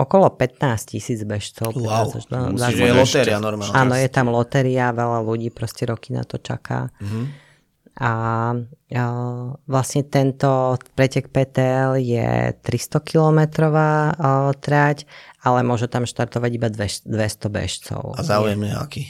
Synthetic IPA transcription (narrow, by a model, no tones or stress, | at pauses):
ɔkɔlɔpɛt̪naːscisiːd͡zbɛʃt͡sɔʊɛasa̰zajɛlɔt̪ɛɾianɔɾmaːlʔaːnɔjɛt̪amlɔt̪ɛɾiaʋɛʎaluɟiːpɾɔscɛɾɔkina̰t̪ɔt͡ʃa̰ka̰ː | ʔa | ʋlasɲɛt̪ɛnt̪ɔpɾɛcɛkpɛːt̪ɛɛljɛ̰t̪ɾist̪ɔkilɔmɛt̪ɾɔʋaːt̪ɾacalɛmʊɔʒut̪amʃt̪aɾt̪ɔʋaɟibad̪ʋɛʃd̪ʋɛst̪ɔbɛ̰ʃt͡sɔ̰ʊazaujɛmɲɛ̰a̰ki